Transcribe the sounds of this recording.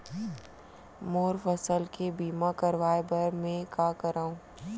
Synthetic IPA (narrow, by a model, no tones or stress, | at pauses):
moːɾfəsəlkebiːmakɐɾʋaːebəɾmẽkakəɾaːũː